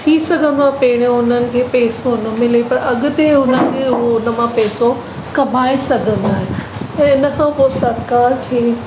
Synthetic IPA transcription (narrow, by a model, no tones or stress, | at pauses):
t̪ʰisɐɡʱə̃nd̪apeːɽ̃eʊnənɪ̆kʰeːpɛːsonɐmɪlepɐɾɐɠʊ̆t̪eʊnənɪ̆kʰeʊɦoʊnə̆mãpɛːso | kɐmʱaːesɐɡʱə̃nd̪aːɦẽɛ̃ːɪnəkʰãːpoːesɐɾkaːɾkʰeː